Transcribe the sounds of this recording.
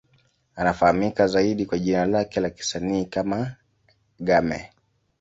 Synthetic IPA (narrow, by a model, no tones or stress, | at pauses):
anafahamikazaiɗikwaʄinalakɛlaki̥saniːkama | ɠamɛ̰